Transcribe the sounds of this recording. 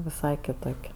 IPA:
ʋʲɪˈsɐɪ kʲɪˈtoːkʲ

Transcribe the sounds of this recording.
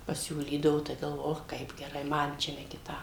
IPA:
pɐˈsʲuːlʲiːdɐʋoː tɐɪ ɡɐlˠˈʋoːjʊ ˈoːx ˈkɐɪp ɡʲɛˈrɐɪ ˈmɐn t͡ʃʲɛ nʲɛ kʲɪˈtɐm

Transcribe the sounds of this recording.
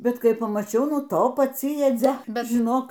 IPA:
ˈbʲɛt ˈkɐɪ pɐmɐˈt͡ʃʲɛʊ ˈnʊ ˈtoː pɐˈt͡sʲɪ jɛˈd͡zʲɛ ˈbʲɛt ʒʲɪˈnoːk

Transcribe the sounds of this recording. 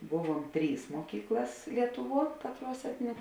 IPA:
ˈbʊˌʋuɔm ˈtʲrʲiːs muɔˈkʲiːklˠɐs ˈlʲiɛtʊˌʋuɔ ˈkɑːtˌruɔs ˈæːtʲnʲɪnʲeː

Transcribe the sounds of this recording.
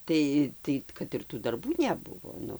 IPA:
ˈtɐɪ ˈtɐɪ kɐt ɪr tuː dɐrˈbuː nʲɛˈbʊʋoː ˈnʊ

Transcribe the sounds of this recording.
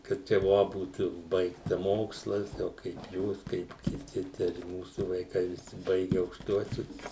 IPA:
kɐɪp ˈt͡ʃʲɛ ˈʋoː ˈbuːt ˈbɐɪktɐ ˈmoːkslˠɐs ˈjɛʊ kɐɪp ˈjuːs kɐɪp kʲɪˈtʲɪ tʲɛn ɪ ˈmuːsʊ ʋɐɪˈkɐɪ ʋʲɪˈsʲɪ ˈbɐɪɡʲɛ ɐʊkʃˈtuɔsʲʊs

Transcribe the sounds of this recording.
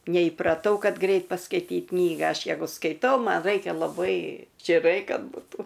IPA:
nʲɛiːprɐˈtɐʊ ˈkɐt ˈɡrɐɪt pɐskɐɪˈtʲiːt ˈknʲiːɡɐ ˈɐʃ ˈjæːɡʊ skɐɪˈtɐʊ ˈmɐn ˈrɐɪkʲɛ lˠɐˈbɐɪ t͡ʃʲɪˈrɐɪ ˈkɐt bʊˈtuː

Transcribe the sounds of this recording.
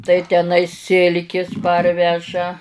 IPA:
tɐɪ tʲɛˈnɐɪ ˈsʲɪlʲkʲɪs ˈpɐrʲʋʲɛʒɐ

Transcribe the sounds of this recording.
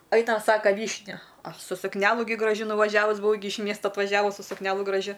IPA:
ˈɐɪnɐm ˈsɑːkɐ ˈʋʲiːʃʲnʲʊ ˈɐʃ sʊ sʊkˈnʲæːlˠʊ ɡʲɪ ɡrɐˈʒʲʊ nʊʋɐˈʒʲæːʋʊs bʊˈʋɐʊ ɡʲɪ ɪʃ ˈmʲiɛstɐ ɐtʋɐˈʒʲæːʋʊs sʊ sʊkˈnʲæːlˠʊ ɡrɐˈʒʲʊ

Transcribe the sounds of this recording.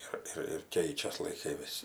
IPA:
ˈɪr ɪr ɪr ˈkʲɛɪt͡ʃʲɛs lˠɐɪˈkɐɪ ˈʋʲɪs

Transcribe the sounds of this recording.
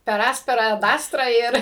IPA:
pʲɛr ˈɑːsʲpʲɛrɐ ɐt ˈɑːstrɐ ˈɪr

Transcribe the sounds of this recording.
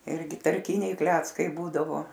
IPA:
ˈɪrʲɡʲɪ tɐrʲˈkʲɪnʲɛɪ ˈklʲæːt͡skɐɪ ˈbuːdɐʋoː

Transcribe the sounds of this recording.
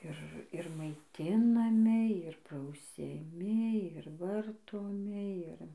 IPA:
ˈɪr ɪr mɐɪˈtʲɪnɐmʲɪ ɪr prɐʊsʲɛˈmʲɪ ɪr ˈʋɐrtoːmʲɪ ˈɪr

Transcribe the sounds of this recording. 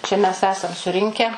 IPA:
ˈt͡ʃʲɛ mʲɛs ˈæːsɐm sʊˈrʲɪŋʲkʲæː

